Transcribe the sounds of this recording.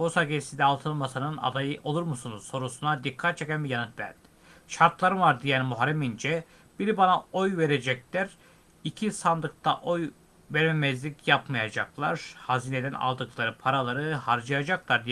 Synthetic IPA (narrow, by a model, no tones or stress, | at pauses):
bosaɡesind̪ɛːlˠt̪ʰɯlˠmasɯnɯna̰d̪ajɯʔo̞lˠuɾmusunuz̥so̞ɾusunad̪ikʰːat̪̚t͡ʃʰe̞cænbijanɯt̪væ̰ɾd̪̥i̥ | ʃaɾt̪lˠaɾɯnvaɾd̪ijænmuɦaɾɛmind͡ʒɛ | b̥iɾibanaojve̞ɾed͡ʒɛclʲæɾ | icʰisand̪ɯk̚t̪ʰaʔo̞j | vɛɾmemɛzlʲicjapmajad͡ʒaklˠaɾ̥haziːned̪æna̰lˠd̪ɯklˠaɾɯpʰaɾalˠaɾɯhaɾd͡ʒajad͡ʒaklˠaɾd̪i